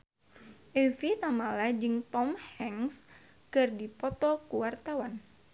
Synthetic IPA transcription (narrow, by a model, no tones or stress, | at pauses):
ʔɛfit̪amalad͡ʒɨŋt̪ɔmhɛŋs | kɨrdipɔt̪ɔkuwart̪awan